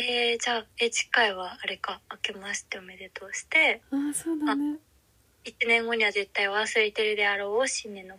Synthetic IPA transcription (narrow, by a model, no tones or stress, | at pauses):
ed͡ʑaːed͡ʑi̥kaiβaːɾe̞kaːke̞maɕi̥t̪ːeome̞d̪e̞t̪o̞ːɕi̥t̪e̞asoːd̪a | it͡ɕinẽ̞ŋɡo̞ɲ̟iβaze̞t̪ːaiβasɨɾet̪eɾɯd̪e̞aɾo̞ːoɕinːe̞no